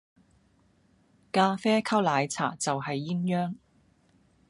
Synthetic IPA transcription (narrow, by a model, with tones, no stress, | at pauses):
kaː˧fɛː˥kʰɐ˥wlaː˨˧jt͡sʰa̰ː˨˩t͡sɐ˨whɐ˨jːi˥ŋjœː˥ŋ